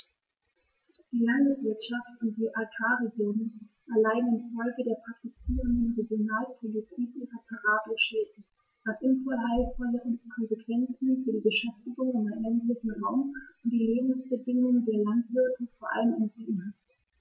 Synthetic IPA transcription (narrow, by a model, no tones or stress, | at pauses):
d̥iːlanməzɛlʃaftʊnt̚d̥iːʔakʰaːʁeɡjoːnən | ʔɛɐlaɪn̩ɪnfɔlɡədeːɐpʁ̥ak̚tit͡siːʁəndənʁeɡjonaːlpʰolitʰiːkʔyːʁɐtʰaʁaːbləʃeːd | v̥asʔʊnfoɐaɪlfɔləʁənkʰɔnzekv̥ɛnt͡sn̩fyːɐdiːbəʃɛftɪɡʊŋɪnɛntlɪçn̩ʁaʊmʊnt̚d̥iːleːbm̩sb̥ədɪŋʊŋdeːɐlantv̥ɪɐtəfoːɐʔa̰ləmɛnz̥iːdn̩hat